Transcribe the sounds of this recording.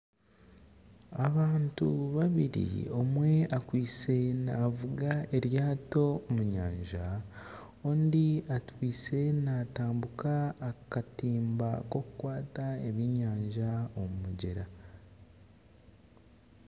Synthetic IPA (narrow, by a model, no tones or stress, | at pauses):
aβaːntuβaβiɾḭo̞mwe̞akwiːse̞navuɡae̞ɾjaːto̞ːmuɲaːɲʒa | oːndiatwiːse̞naːtaːmbukaːkatiːmbako̞kukwaːtaeβiɲaːɲʒaomumuɟe̞ɾa